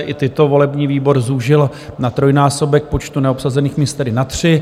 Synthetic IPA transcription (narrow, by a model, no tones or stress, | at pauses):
ʔɪt̪ɪt̪ovo̞lɛbɲiːviːbo̞ɾzuʒɪl | nat̪ɾo̞jnaːso̞bɛk̚po̞t͡ʃt̪unɛopsazɛniːxmɪst̪ɛdɪnat̪r̝̥ɪ